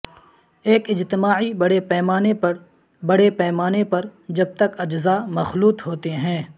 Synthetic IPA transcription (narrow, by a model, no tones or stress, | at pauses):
eːkɪd͡ʒt̪ɪmaːibɐɽepɛːmaːnepɐɾ | bɐɽepɛːmaːnepɐɾd͡ʒɐb̚t̪ɐkɐd͡ʒzaːmɐxluːt̪ɦoːt̪eɦɛ̃ː